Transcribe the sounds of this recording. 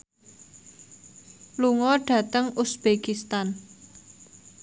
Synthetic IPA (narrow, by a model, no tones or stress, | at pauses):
luŋɔɖ̥ä̤t̪əŋusb̥ekist̪an